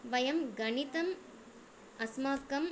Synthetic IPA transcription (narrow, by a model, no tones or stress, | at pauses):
ʋɐjɐmɡɐɳit̪ɐm | ɐsmaːt̪kɐm